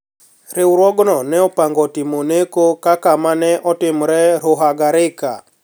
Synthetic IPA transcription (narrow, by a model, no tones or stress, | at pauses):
ɾiuɾwɔɡɔnɔnɛupaŋɡɔtimonekokakamanɛʔɔtimuɾɛɾuɦaɡaɾɪka̰